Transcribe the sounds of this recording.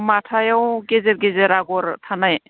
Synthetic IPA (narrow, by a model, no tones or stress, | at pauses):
matʰajawɡezeɾɡezeɾaɡɔɾtʰanaj